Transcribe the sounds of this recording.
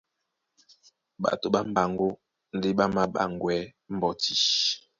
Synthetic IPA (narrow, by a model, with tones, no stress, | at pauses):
ɓa̰˨to˨ɓa˦m̩˦ba˨ŋ˦ɡo˦ | n̩˦de˦ɓa˦ma˦ɓa̰˦˨ŋ˨ɡwɛ˦m̩˦bɔ˨ti˨